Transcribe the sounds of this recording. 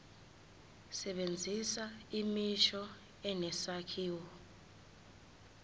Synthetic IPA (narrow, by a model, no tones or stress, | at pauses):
sɛɓend͡zʱisaimiʃɔ | ɛnɛsakʰiːwɔ